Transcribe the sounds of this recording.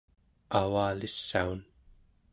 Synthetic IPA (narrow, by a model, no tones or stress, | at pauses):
awaːlisːaun